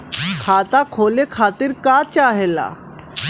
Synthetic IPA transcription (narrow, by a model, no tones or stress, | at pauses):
kʰat̪akʰolekʰat̪iːɾkat͡ɕaɦela̰